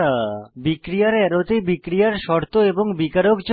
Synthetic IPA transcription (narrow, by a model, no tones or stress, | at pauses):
abikɾijaɾɛɾot̪ebikɾijaɾʃɔɾt̪oeboŋbikaɾokd͡ʑo